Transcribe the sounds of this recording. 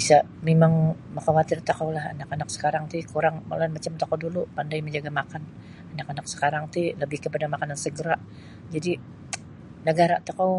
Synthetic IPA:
bisa | memaŋməxawat̪ɪrt̪akawlaha̰nakanak̚sə̥kaɾaŋt̪ɪkuɾaŋma̰lanmat͡ʃamt̪akawdulupandajməɲd͡ʒaɡamakan | anakanak̚sə̥kaɾaŋt̪iləbɪhkəpadamakanansəɡəɾaʔ | d͡ʒadi | nəɡaɾat̪akaw

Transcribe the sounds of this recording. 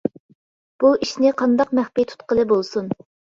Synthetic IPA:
b̥uiʃnɪqʰɑnd̪ɑqmæχpijt̪ʰu̥t̪̚qəlˠɨbolˠsun

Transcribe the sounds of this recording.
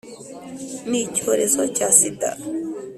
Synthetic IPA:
micoɾesocasit̪a̰

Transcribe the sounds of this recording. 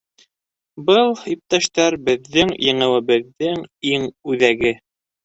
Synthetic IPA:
bɤlˠip̚t̪æʃt̪æɾbɘ̆ðːɘŋjɤ̆ɴɤ̆wɘ̆βɘ̆ðːɘŋiŋʉðæɡɘ

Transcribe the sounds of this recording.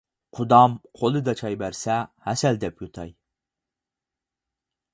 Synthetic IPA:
qʰʊd̪ɑmqʰolˠɨd̪ɑt͡ʃʰɑjbæɾsɛhæsɛld̪ɛpjut̪ʰɑj

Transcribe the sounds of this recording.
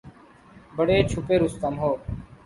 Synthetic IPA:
bəɽeːt͡ʃʰʊpeːɾʊst̪əmɦoː

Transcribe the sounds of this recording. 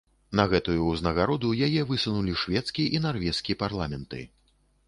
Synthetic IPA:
nɐɣɛt̪ujuznɐɣaɾɔd̪ujajɛvɨsunulʲiʂvʲɛt̪skʲiʔinarvʲɛskʲijɛparlˠamʲɛnt̪ɨ̰

